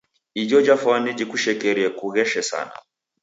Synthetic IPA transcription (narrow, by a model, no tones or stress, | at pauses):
id͡ʒɔd͡ʒafwanɛd͡ʒikuʃɛkɛɾiɛkuɣɛʃɛsa̰na̰